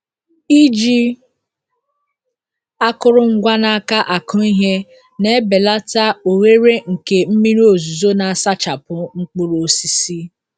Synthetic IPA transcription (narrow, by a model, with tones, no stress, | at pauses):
i˦d͡ʒi˦ | a˦kʊ˦ɾʊ˦ŋ̩˦ɡʷa˦na˦˨a˦ka˦ʔa˨kʊ˦i˦ɦe˦ | ne˦be˨la˦ta˦o˨ɣe˦ɾe˦ŋ̩˨ke˨m̩˦mi˦ɾi˦o˨zu˨zo˦na˨a˨sa˦t͡ʃa˨pʊ˦ŋ͡m̩˦k͡pʊ˦ɾo˨si˨si˦